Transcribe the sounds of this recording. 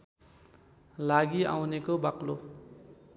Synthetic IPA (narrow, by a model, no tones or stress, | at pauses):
laɡia̰wnekobaklo̰